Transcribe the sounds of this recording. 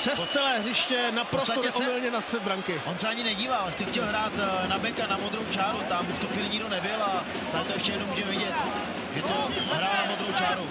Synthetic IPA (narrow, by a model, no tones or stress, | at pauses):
prɛst͡sɛlɛːɦrɪʃcɛnapɾost̪atoɛʔomɪlɲɛnast̪r̥ɛd̪bɾaŋkɪʔonsɛaɲɪnɛɟiːvalxtɛxcɛlɦɾaːt̪nabɛkanamod̪ɾowt͡ʃaːɾut̪amft̪uxviːlɪɲɪɡdonɛbɪla | t̪at̪ojɛʃcɛjɛdnomuːʒɛmɛvɪɟɛt̪ | ʒɛt̪oɦɾaːlnamod̪ɾowt͡ʃaːɾu